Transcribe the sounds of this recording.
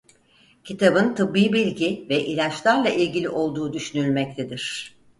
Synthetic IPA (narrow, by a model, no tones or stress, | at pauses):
cʰit̪ʰabɯnt̪ʰɯbːiːbilʲɟivɛʔilʲat͡ʃlˠaɾlˠaʔilʲɟilʲiʔo̞lˠd̪uːd̪yʃynylʲmɛc̚t̪ʰed̪iɾ̝̥